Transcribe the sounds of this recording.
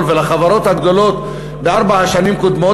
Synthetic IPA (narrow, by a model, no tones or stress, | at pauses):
lvelaχavaɾo̞t̪haɡd̪o̞lo̞t̪ | beaʁbaaʃanimkod̪mo̞